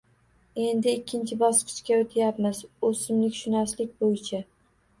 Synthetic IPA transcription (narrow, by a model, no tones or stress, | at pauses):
e̞nd̪ɪɪkʲʰːɪnt͡ʃʰɪbɒsqʰɨ̥ʃkʲaot̪ʰɪjapmɪzosɪmlɪkʲʃʊnaslɪk̚ʲbojɪt͡ʃʰa